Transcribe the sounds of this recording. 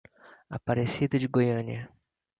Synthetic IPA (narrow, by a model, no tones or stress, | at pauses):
apaɾesid̪ɐd͡ʒɪɡojɐ̃niɐ